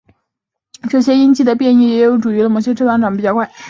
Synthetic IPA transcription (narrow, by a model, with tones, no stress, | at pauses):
ʈ͡ʂɤ˥˧˩ɕjɛ˥i˥nt͡ɕi˥˩d̪ə˩pjɛ˥˧ni˥˩jɛ˧˥jo˧˥ʊʈ͡ʂu˨˩y˧˥lə˧˩mo˧˩ɕjɛ˥ʈ͡ʂʰt̪ɑ˧˥ŋʈ͡ʂɑ˧˥ŋpi˨˩t͡ɕjɑ˥˧ʊkwa˥˩ɪ